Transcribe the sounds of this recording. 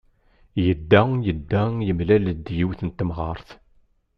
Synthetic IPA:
jəd̪ːæjəd̪ːæjəmlæləd̪ːjiwθənt̪ːəmʁɑɾˤθ

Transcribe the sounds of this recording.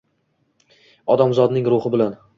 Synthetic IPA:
ɒd̪amzɒd̪nɪŋɾʊχɪbɪlan

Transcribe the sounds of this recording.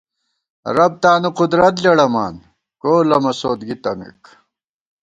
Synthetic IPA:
ɾɐb̚t̪aːnuqud̪ɾɐt̪lɐɽɐma̰ːn | koːlɐmɐsoːd̪ɡit̪ɐmḭk

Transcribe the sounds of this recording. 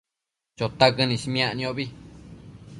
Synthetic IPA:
t͡ʃot̪akɨnĩsim̃ãʔnĩõβi

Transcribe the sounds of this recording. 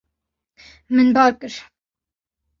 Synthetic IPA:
mɨnbɑːɾkɨɾ

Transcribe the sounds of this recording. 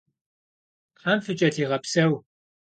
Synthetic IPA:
qaːmfɨt͡ʃʼɐtʰiːʁɐpsɐw

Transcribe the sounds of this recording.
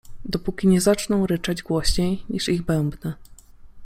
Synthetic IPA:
d̪ɔpukʲiɲɛzat͡ʂnɔ̃w̃ɾɘt͡ʂad͡ʑɡwɔɕɲejɲiʂiɣbɛmbnɛ

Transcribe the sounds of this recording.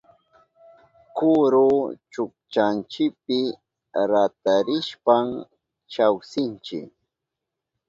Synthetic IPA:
kʊɾʊt͡ʃʊk̚t͡ʃant͡ʃɪk̚pɪ | ɾat̪aɾɪʃpaŋ | t͡ʃawsɪnt͡ʃɪ̰k

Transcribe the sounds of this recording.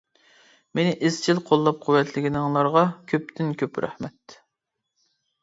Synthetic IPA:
menɪʔɪzt͡ʃʰilˠqʰolˠːɑp̚qʰʊwːɛt̪ʰlɪɡʲinɪŋlˠɑɾʁɑkʲʰøp̚t̪ʰɪnkʲʰøpɾæ̰hmɛt̪

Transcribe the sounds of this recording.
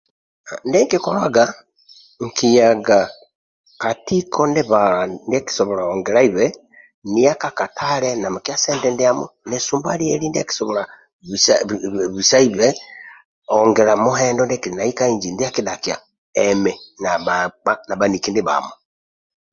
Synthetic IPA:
ndeŋkikoɾwaɡa | ŋkijaɡa | katikʰondeβaandki̥soβɔɾaoŋɡɛɾaiβɛ | nijakakatʰaɾenamokiaseːndɛndiamonesuːmbalieɾindiaki̥soβoɾa | β | βusaiβe | oŋɡɛɾamuɦɛːndondekiinaikaiɲd͡ʒindijakidakia̰ | ɛmɛnaaanaβanikindiβa̰mo

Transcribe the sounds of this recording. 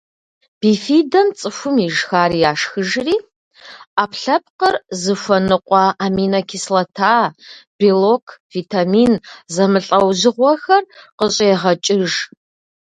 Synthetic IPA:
b̥ifiːdɐmt͡sʼɨfʷʊmiʒxaːɾijaːʂxɨʒriː | aːpɬɐp̚qərzɨfʷɐnɨqʷʼɑʔaːmiːnɐkʲʰislɐtʰaːb̥ilokʰviːtʰaːmiːnzɐmɨɬʼɐwʑɪʁʷɔxɐrqəɕʼeːʁɐt͡ʃʼɪʒ

